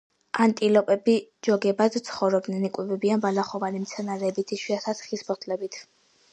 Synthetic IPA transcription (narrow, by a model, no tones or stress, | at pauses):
ant̪ʼilɔpʼɛbid͡ʒɔɡɛbad̪t̪sʰχɔvɾɔb̚d̪nɛnikʼwɛbɛbianbalaχɔvanimt̪sʰɛnaɾɛːbit̪ʰiʃwiat̪ʰasχisbʰɔt̪ʰlɛbit̪ʰ